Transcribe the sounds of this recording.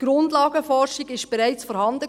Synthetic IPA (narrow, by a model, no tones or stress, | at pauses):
ɡ̥ɾʊndlɑːɡəfɔrʃiɡɪʃb̥eɾæɪt͡sfɔɾhɑnd̪ə